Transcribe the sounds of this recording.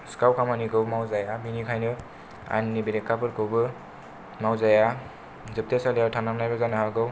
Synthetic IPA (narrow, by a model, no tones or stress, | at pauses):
skawkʰamaniɡɯwmawzajaminikʰajnɯ | a̰nːibiɾekːapɯɾkowbɯ | mawzaja | zɯp̚t̪esaleaʈʰamamnajbazanaɦaɡɯw